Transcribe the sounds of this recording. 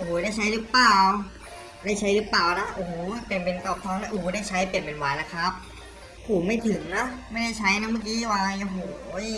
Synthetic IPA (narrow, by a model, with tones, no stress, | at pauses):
ʔoː˨˩˦da˥˩jt͡ɕʰa˦˥jlɯː˦˥plaː˨˩w | daː˥˩jt͡ɕʰa˦˥jlɯː˦˥plaː˨˩wna˦˥ʔo˧˩˨pe˨˩ənpe˧˩nk̪ɔː˧˩p̚t̪ʰɔː˧˥˩ŋna˧˥ʔoː˨˩˦da˥˩jt͡ɕʰa˦˥jpe˨ənpe˨˩nwaː˨˧˩jla˦˧˥kʰa˦˥p̚ː | hoː˨˩˦ma˥˩jt̪ʰɯ˨˩˦ŋna˦˥ʔma˥˩jda˥˩jt͡ɕʰa˦˥jna˦˥˩maː˧˥˩kiː˦˥waː˧ʔa˧˩ɦoː˨˩j